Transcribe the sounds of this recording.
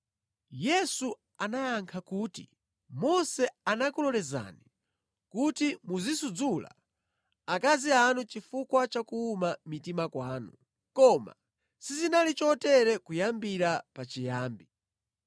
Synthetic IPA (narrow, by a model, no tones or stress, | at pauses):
jɛsu | anaaŋkʰakuːtḭ | mɔsɛanakulɔlɛza̰ni | kutimuzisud͡zula̰ | akazianut͡ʃifukwat͡ʃakuːmamitimakwaːnu | kɔma̰ | sizinalit͡ʃɔtɛɾɛkujambiɾapat͡ʃijaːmbi